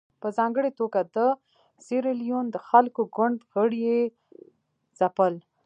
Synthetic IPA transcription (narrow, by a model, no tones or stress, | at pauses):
pəzɑŋɡəɽet̪oɡad̪ə | siɾelijond̪əxalkoɡʊɳɖɣəɽje | z̥apəl